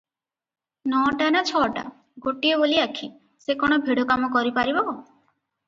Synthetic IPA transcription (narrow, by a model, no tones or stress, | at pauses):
nɔʈanat͡ʃʰɔʈa̰ | ɡoʈieboliakʰi | sekɔɽ̃ɔbʱiɽɔkamɔkɔɾipaɾibɔ